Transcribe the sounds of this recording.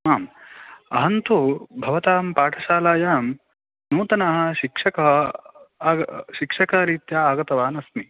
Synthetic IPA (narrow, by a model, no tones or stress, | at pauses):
aːmɐɦɐnt̪ubʱɐʋɐt̪aːmpaːʈʰɐʃaːlaːjaːm | nuːt̪ɐnaːɦɐ̆ʃikʂɐkɐɦɐː | ɡʃikʂɐkɐɦɐɾiːt̪jaːaːɡɐt̪ɐʋaːnɐsmi